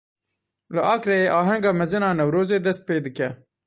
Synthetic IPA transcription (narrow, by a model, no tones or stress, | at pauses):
ləʔɑːkɾeeʔɑːɦaŋɡamɐzɪnɑːnɐwɾoːzed̪ɐst̪̚peːd̪əkʲa